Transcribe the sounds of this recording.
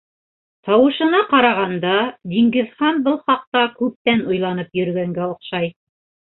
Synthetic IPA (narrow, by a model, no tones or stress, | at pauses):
t̪ɑwɤ̆ʃɤ̆nɑqɑɾɑʁɑnd̪ɑd̪iŋɡɘ̆ðχɑnbɤlˠχɑq̚t̪ɑkʉp̚t̪ænŏjlˠɑnɤpjɵ̆ɾɡæŋɡæŏqʃɑj